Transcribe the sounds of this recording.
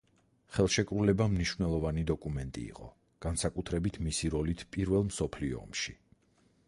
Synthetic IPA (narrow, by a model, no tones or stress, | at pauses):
χɛlˠʃɛkʼɾulɛbamniʃvnɛlˠɔvanid̪ɔkʼumɛnt̪ʼḭːqʼɔ̰ | ɡ̥ansakʼut̪ʰɾɛbit̪ʰmisiɾɔlit̪ʰpʼiɾvɛlˠmsɔpʰliɔ̰ːmʃi